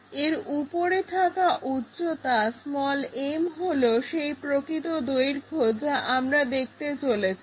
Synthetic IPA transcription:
eɾupoɾet̪ʰakaʔut̪ːɕot̪asmɔlemɦoloʃejpɾokɾit̪od̪ojɾkʰod͡ʑaʔamɾad̪ek̚ʰt̪et͡ɕolet͡ɕʰi

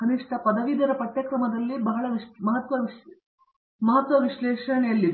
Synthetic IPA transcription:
kɐniʂʈɐpɐd̪ɐʋid̪ʱɐɾɐpɐʈːjɐkɾɐmɐd̪ɐlːibɐɦɐɭɐʋimɐɦɐt̪ʋɐʋi | mɐɦɐt̪ʋɐʋiʃlɛːʂɐɳɛjɐlːid̪

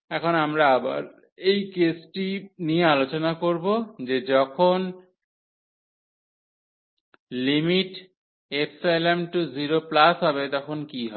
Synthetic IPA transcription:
ɛkʰonamɾaaba̰ɾ | ejkesʈiniealot͡ɕonakoɾbod͡ʑed͡ʑɔkʰon | limiʈ | epsajlamʈuziɾoplasɦɔbet̪ɔkʰonkiɦɔ

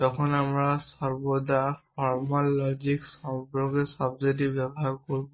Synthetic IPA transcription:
tɔkʰɔnamɹasɔɹbɔdaɹpʰɔɹmɔlːɔd͡ʒiksɔbɹɔɡɛsɔbzetibbɛbɔɦaɹkoɹibɔ

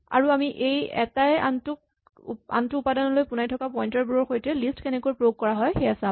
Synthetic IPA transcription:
a̰ɹuamiʔejɛ̰taja̰ntʊk̚ | a̰ntuːpadɔnɔlojpʊnajtʰɔkapɔjntɔɹbuɹɔɹxojtɛlistkɛnɛkuɔpɹoɡ̚kɔɹaɦɔjxeasã

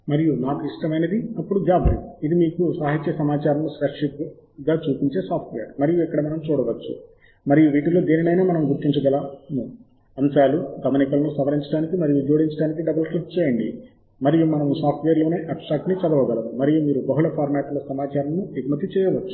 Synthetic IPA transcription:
mɐɾijunaːkiʂʈɐmɐned̪iɐpːuɽud͡ʒaːbʱɐɾḭid̪imiːkusaːɦit͡ʃːjesɐmaːt͡ʃaːɾɐmusʋɐɾʂip̚ | ɡaːt͡ʃuːpiɲt͡ʃe̞ːsaːpʰʈʋeːɐɾmɐɾijuɛkːɐɽɐmɐnɐmt͡ʃuːɽɐʋɐt͡ʃːṵ | mɐɾijuʋiːʈulo̞ːd̪eːninɐjnaːmɐnɐmɡuɾt̪iɲt͡ʃɐɡɐlanu | ɐmsaːluɡɐmɐnikɐlɐnusɐʋɐɾiɲt͡ʃɐɽaːnikimɐɾijud͡ʒoːɽiɲt͡ʃɐɽaːnikiɖɐbɐlklipt͡ʃɛːjɐɳɖḭ | mɐɾijumɐnɐmusaːpʰʈʋeːɐɾlo̞ːneːʔɐpsʈaːkʈnit͡ʃɐd̪ɐʋɐɡɐlɐd̪umɐɾijumiːɾubɐɦuɭɐpʰaːɾmaːʈ̪lɐsɐmaːt͡ʃaːɾɐmnuiɡmɐt̪it͡ʃɛːjɐʋɐt͡ʃːu̥

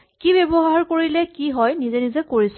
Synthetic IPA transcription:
kibebɔɦaɹkoɹilɛkiɦɔjnizɛnizɛkoɹis

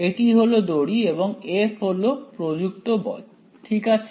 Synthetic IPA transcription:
eʈiɦolod̪oɽiebɔŋepɦolopɾod͡ʒuk̚t̪obɔ̰d | ʈʰikat͡ʃʰ

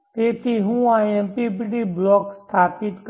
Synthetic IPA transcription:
t̪eːt̪iɦũaːempipiɖiblɔːkst̪ʰaːpɪt̪k

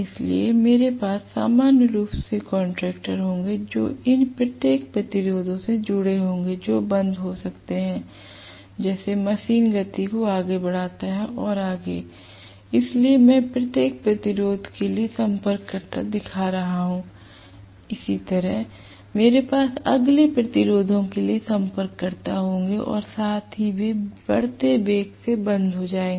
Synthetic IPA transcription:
ɪslḭemeːɾepaːsːa̰ːmaːnjəɾuːpsekɔ̃ːɳʈɾɛːk̚ʈəɾɦõːŋɡed͡ʒo̰ːɪnpɾɐt̪jeːk̚pɾɐt̪ɪɾoːd̪õsed͡ʒʊɽeɦõːŋ̆ɡed͡ʒoːbɐ̃nd̪ɦosɐkt̪eɦɛ̃ | d͡ʒɛːsemɐʃiːnɡɐt̪ikoaːɡebɐɽ̤aːt̪aɦɛʔɔːɾaːɡeː | ɪsliemɛ̃pɾɐt̪jeːk̚pɾɐt̪ɪɾoːd̪ʱkeliesɐ̃mpəɾkːɐɾt̪a̰d̪ɪkʰaɾɐɦaɦũ | ɪsit̪ɐɾəɦ | meːɾepaːsɐ̰ɡlepɾɐt̪ɪɾoːd̪ʱõkeliesɐ̃mpəɾkːɐɾt̪aɦõːŋɡeʔɔ̰ːɾsaːt̪ʰɦibʱibɐɽt̪ebeːksebɐ̃nd̪ʱɦod͡ʒaːẽ

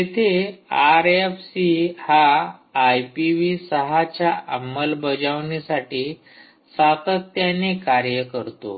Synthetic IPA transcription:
jet̪ʰeaɾefsihaː | jpiʋisəɦat͡ɕjaʔəmːəlbəd͡zaʋnisaʈiː | sat̪ət̪ːjanekaɾjəkəɾt̪o̰

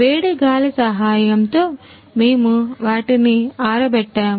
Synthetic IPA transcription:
ʋeːɽiɡaːlɐsɐɦaːjɐmt̪o̞ː | meːmuʋaːʈiniaːɾɐbɛʈːaːm

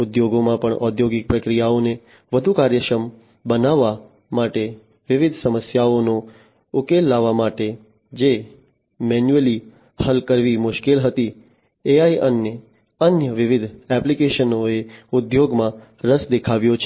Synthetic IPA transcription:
ʊd̪joɡomãpəɳʔɔd̪joɡɪk̚pɾəkɾijaone | ʋəd̪ʱukaɾjəkɾəm | bənaʋːa | maʈe | ʋɪʋɪd̪ʱsəməsjaono | ʊkelːaʋːamaʈe | d͡ʒe | mɛnjuəli | həlkəɾʋimʊʃkelɦət̪i | eaiʔənjə | ənjəʋɪʋɪd̪ʱɛplikeʃənoeʊd̪joɡmã | ɾəsd̪ekʰaʋjot͡ʃʰe

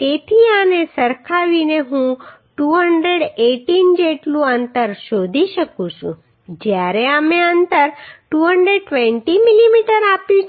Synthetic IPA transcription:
t̪et̪ʰianesəɾkʰaʋineɦũʈuɦəɳɖɾeɽeʈind͡ʒeʈlũənt̪əɾʃod̪ʱiʃəkũt͡ʃʰṵ̃ | d͡ʒjaɾeəmeənt̪əɾʈuɦəɳɖɾeɖ̚ʈʋɛ̃ɳʈimilimiʈəɾapjũ

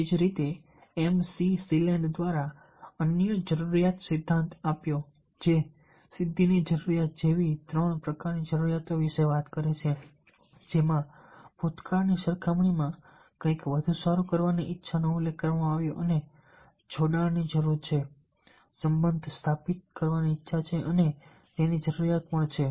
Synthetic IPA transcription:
ed͡ʒɾit̪e | ɛmsisilɛɳɖd̪ʋaɾa | ənjəd͡ʒəɾuɾijat̪sɪd̪ʱːãnt̪apjo | d͡ʒe | sɪd̪ʱːinid͡ʒəɾuɾijat̪̚d͡ʒeʋit̪ɾəɳpɾəkaɾnid͡ʒəɾuɾijat̪oʋɪʃeʋat̪kəɾet͡ʃʰe | d͡ʒemãb̥ʱot̪kaɾniʃəɾkʰamɳimã | kə̃jkʋəd̪ʱũsaɾukəɾʋaniʔɪtːʃʰanəulːekːəɾʋamãaʋjoʔəne | t͡ʃʰoɖaɭnid͡ʒəɾuɾt͡ʃʰe | səmbənd̪ʱst̪ʰapit̪̚kəɾʋaniːtːʃʰat͡ʃʰeʔəne | t̪enid͡ʒəɾuɾijat̪̚pəɳt͡ʃʰe

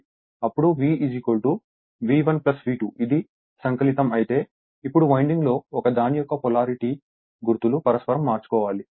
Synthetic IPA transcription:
ɐpːuɽuʋiːid͡ʒikolʈu | ʋiːʋɐnplɐsʋiːʈuid̪i | sɐŋkɐlit̪ɐmɐjit̪e̞ː | ipːuɽumɐjɳɖiŋɡlo̞ːɔkɐd̪aːnijɔkːɐpɔlaːɾiʈi | ɡuɾt̪ulupɐɾɐspɐɾɐmːaːɾt͡ʃu̥kɔːʋaːli

